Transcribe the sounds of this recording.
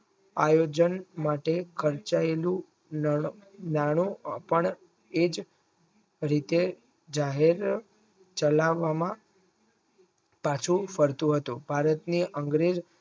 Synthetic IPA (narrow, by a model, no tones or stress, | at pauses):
a̰jod͡ʒənmaʈekʰəɾt͡ʃaelũ | naɽ̃ũpəɳ | ed͡ʒ | ɾit̪e | d͡ʒaɦeɾ | t͡ʃəlaʋːamã | pat͡ʃʰũfəɾt̪ũɦət̪ũbʱaɾət̪niʔəŋɡɾed͡ʒ